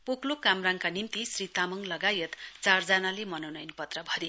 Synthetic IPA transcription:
poklokamraŋkanimt̪isrit̪amʌŋlʌɡajʌt̪t͡sard͡zanalemʌnʌnʌjnpʌt̪rʌbʱʌɾe

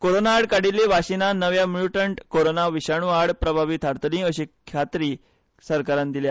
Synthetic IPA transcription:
koɾonaːɽkaɽilːiʋaɕinanəʋjamɭuʈəɳʈkoɾonaʋiɕaɳ̃uaɽpɾəbʱaʋit̪ʰaɾt̪ənĩəɕikʰjat̪ɾiː | səɾkaɾãnd̪ilja

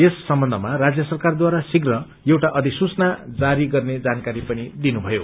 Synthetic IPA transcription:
esːʌmbʌnd̪ʱʌmarad͡zjʌsʌrkard̪waɾasiɡrʌ | jewʈaʔʌd̪isut͡snad͡zaɾiɡʌrned͡zankaɾipʌnid̪inubʱʌjo

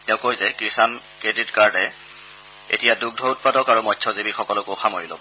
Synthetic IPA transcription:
tɛʊ̃kojzɛkɹisan | kɹeditkaɹdɛ | ḛtijaduɡ̚dʱɔʊt̚padɔkaɹumɔtʰɔzibixɔkɔlɔkoxamoɹilo̰bɔ

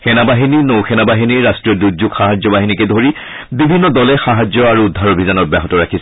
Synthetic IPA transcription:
xɛnabaɦininowxɛnabaɦiniɹːastɹiɔduɡzuɡxaɦad͡ʑjɔbaɦinikɛdʱoɹi | bibʱinːɔdɔlɛxaɦad͡ʑjɔaɹuːdʱːaɹobʱizanɔt̚baɦɔtɔɹakʰisɛ

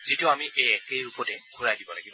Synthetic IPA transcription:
zitʊamiʔejɛkejɹupɔtɛɡʱuɹajdibɔlaɡibɔ

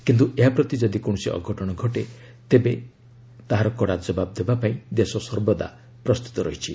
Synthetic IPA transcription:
kint̪uʔeɦapɾɔt̪id͡ʒɔd̪ikoɽ̃ɔsiʔɔ̰ɡʱɔʈɔɽ̃ɔɡʱɔʈe | t̪ebe | t̪aɦaɾɔkɔɽad͡ʒɔbab̚d̪ebapaĩd̪esɔsɔɾbɔd̪a̰ | pɾɔst̪u̥t̪ɔɾɔɦit͡ʃʰi

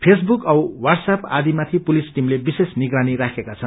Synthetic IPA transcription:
pʰes̬bukʌwwarɖsapad̪imat̪ʰipulisʈimlebisesniɡraniɾakʰekat͡sʰʌn

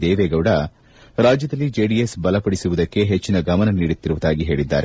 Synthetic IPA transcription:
d̪eːʋeːɡɐʋɽɐ | ɾaːd͡ʒjɐd̪ɐlːid͡ʒeːɖijesbɐlɐpɐɽisuʋud̪ɐkːe̞ɦet͡ʃːinɐɡɐmɐnɐniːɽut̪ːiɾuʋud̪aːɡiɦe̞ːɭid̪ːa̰ːɾe

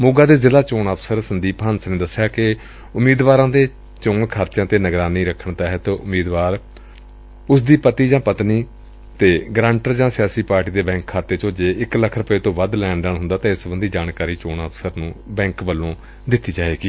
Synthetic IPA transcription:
mʊːɡaːd̪eːzɪlaːt͡ʃoːnaːpsəɾsənd̪iːpənsnẽːd̪əsːɪjaːkɪ | ʊmiːd̪ʋaːɾãːd̪eː | t͡ʃʊŋɡkʰaːɾt͡ʃjãːt̪eːnəɡɾaːniːɾəkʰːəɳt̪aːɦt̪ːʊmiːd̪ʋaːɾ | ʊsd̪iːpət̪iːd͡ʒãːpət̪niː | t̪eːɡɾãːɳʈəɾd͡ʒãːsɪjaːsiːpaːɾʈiːd̪eːbɛ̃ːŋkʰːaːt̪eːt͡ʃoːd͡ʒeːɪkləkʰɾəpəeːt̪õːʋəd̪lɛːɳɖəɳɦʊ̃nd̪aːt̪ẽːɪsbənd̪iːd͡ʒaːɳkaːɾiːt͡ʃoːnaːpsəɾnũːbɛ̃ːŋkʋəlːõː | d̪ɪt̪ːiːd͡ʒaːeːɡiː

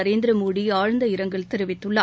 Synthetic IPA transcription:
ɐɾeːnd̪ɪɾɐmoːɽiaːɻɐnd̪ɐɪɾɐŋɡɐɭt̪ɛɾɯʋɪt̪ːɯɭːɐ

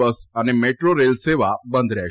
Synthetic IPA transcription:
əsənemeʈɾoɾelseʋabə̃nd̪ʱɾɛ

